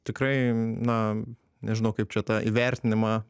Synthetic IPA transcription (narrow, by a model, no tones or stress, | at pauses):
t̪ʲɪkɾɐɪnɐ | nʲɛʒʲɪnɐʊkɐɪp̚t͡ʃʲɛt̪ɐʔḭʋʲɛɾʲt̪ʲɪnʲɪmɑ